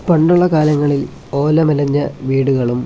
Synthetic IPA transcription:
pɐɳɖuɭːɐkaːlɐŋːɐɭil | o̞ːlɐmɐlɐɲːɐʋiːɽuɣɐɭum

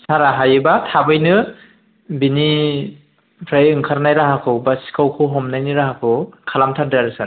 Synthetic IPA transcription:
saɾaɦajɯbatʰabɯjnɯ | bini | pʰɾajɯŋkʰaɾnajɾaɦakʰɯwbasi̥kʰawkʰɯɦɔmnajniɾahakʰɯwkʰalamtʰadaɾɯsa

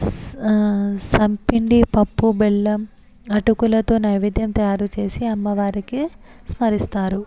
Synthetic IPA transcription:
sɐmpiɳɖipɐpːubelːɐm | ɐʈukulɐt̪o̞ːnɐːjʋid̪ʱjɐmt̪ɐjaːɾut͡ʃe̞ːsiɐmːɐʋaːɾikismɐɾist̪aːɾu

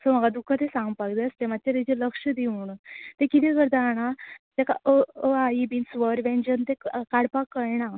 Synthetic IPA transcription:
səməɡad̪ukʰːat̪esãŋɡpaɡd̪eəst̪emat̪̚t͡ɕaɾed͡ʑeləkʂəd̪iuːɳt̪ẽkit̪ikəɾd̪aɽ̃at̪aka̰əəaibinsʋəɾʋẽnd͡ʑənt̪ekaɽpakəjna

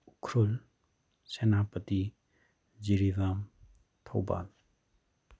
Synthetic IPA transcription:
ukʰɾul | senapəti | d͡ʒiɾivam | t̪ʰowba̰l

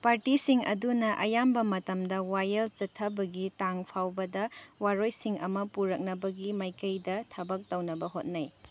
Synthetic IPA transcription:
paɾtisiŋɐ̰dunɐʔɐjambɐmɐtɐmdɐwajɐld͡ʒɐtʰːɐbɐɡitaŋpʰawbɐdɐwaɾojsiŋɐ̰mɐpuɾɐk̚nɐbɐɡimajkɐjdɐtʰɐbɐk̚tɐwnɐbɐɦot̚naj

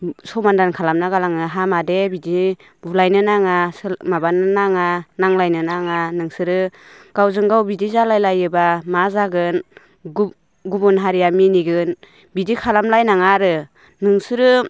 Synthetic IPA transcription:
sɔwmandankʰalamnaɡalaŋɯɦamadebidi | bulajnɯnaŋasmabanɯnaŋanaŋlajnɯnaŋanɯŋsɯɾɯ | ɡ̥awzɯŋɡawbidizalajlajɯbamazaɡɯn | ɡubunɦaɾijaminiɡɯn | bidikʰalamlajnaŋaɾɯ | nɯŋsɯɾɯ

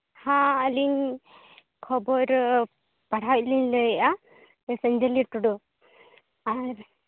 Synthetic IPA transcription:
hãəliɲ | kʰɔbɔɾ | paɽawt̚linləʔa | səɲd͡ʒəliʈuɽu | aɾ

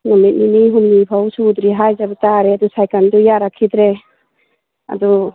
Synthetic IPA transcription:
nɔmit̚niniɦumnipʰawsud̪ɾiɦajzabutaɾeadusajkandɔjaɾakʰidɾe | a̰d̪u

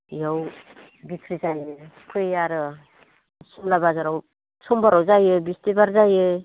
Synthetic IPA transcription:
jaw | bikʰɾizajɯkʰɯjjaɾɯ | siŋlabazaɾaw | sʰɔmbaɾawzajɯbistibaɾzajɯ

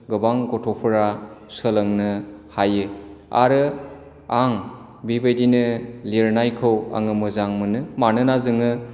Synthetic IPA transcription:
ɡɯbaŋɡɔtʰɔpʰɯɾasɯlɯŋnɯhajɯa̰ɾɯ | aŋ | bibɯjdinɯliɾnajkʰɯwa̰ŋɯmɯzaŋmɯnɯmanɯnazɯŋɯ

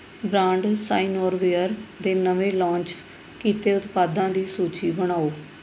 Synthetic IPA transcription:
bɾãːɳɖsa̰ːinoːɾʋeːəɾd̪eːnəʋeːlãːɲt͡ʃ | kiːt̪eːʊt̪paːd̪ãːd̪iːsuːt͡ʃiːbəɽ̃aːoː

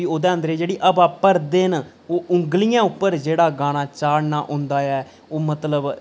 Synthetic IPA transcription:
iːoːd̪ẽːə̃nd̪ɾeːd͡ʒeːɽiːʔəbaːpːəɾd̪eːn | oːʔʊŋɡlijãːʊpːəɾd͡ʒeːɽaːɡaːɽ̃aːt͡ʃaːɽnaːʔʊ̃ːnd̪aːɛː | oːmət̪ləb

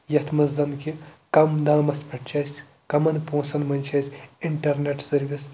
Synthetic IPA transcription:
jɐt̪ʰmɐzzɐnkikɐmd̪ãːmɐspɐʈt͡ʃʰɐsʲ | kɐmɐnpõːsɐnmɐnʲt͡ʃʰɐsʲiɳʈɐɾneʈsɐɾʋis

